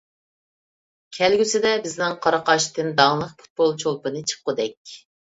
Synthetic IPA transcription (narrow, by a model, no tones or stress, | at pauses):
kʲʰɛlɡʲysɪd̪ɛbɪznɪŋqʰɑɾɑqɑʃt̪ɨnd̪ɑŋlˠəχpʰu̥t̪̚bolˠt͡ʃʰolˠpɨnɨt͡ʃʰə̥qːʊd̪ɛkʲ